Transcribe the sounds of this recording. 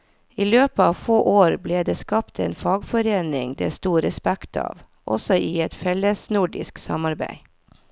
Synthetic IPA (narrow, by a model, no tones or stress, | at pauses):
iːløːpəɑːʋfoːʔoːɾbleːd̪eːskɑpt̪ʰḛːnfɑːɡfɔɾeːnɪŋd̪ḛːst̪uːɾɛspækt̪ʰɑ̰ːʋ | ʔɔ̰sɔʔiːɛt̪fɛləsnʊɖɪ̰sksɑ̰mɑɾbæ̰ɪ